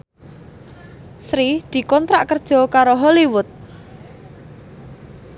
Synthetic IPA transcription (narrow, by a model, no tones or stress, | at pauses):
sɾid̪̥i̤kɔnt̪ɾaʔkərd̥ʒ̥ɔ̤kaɾoɦɔliwʊt̪̚